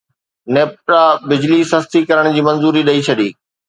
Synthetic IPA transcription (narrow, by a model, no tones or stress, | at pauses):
neːp̚ʈɾabɪd͡ʑlisɐst̪ikɐɾəɽ̃d͡ʑiːmɐ̃nzuːɾiɗɐit͡ɕʰɐɗiː